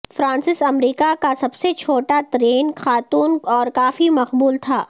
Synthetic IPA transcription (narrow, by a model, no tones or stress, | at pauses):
fɾãːnsɪsɐmɾiːkakasɐbset͡ʃʰoːʈaʈɾeːnxaːt̪uːnɔːɾkaːfimɐqbuːlt̪ʰaː